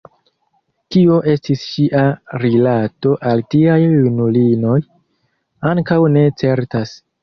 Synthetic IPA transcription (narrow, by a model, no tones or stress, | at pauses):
kio̞ʔe̞stisʃiʔaɾilato̞ʔaltiajjunulino̞j | aŋkawne̞t͡se̞ɾtas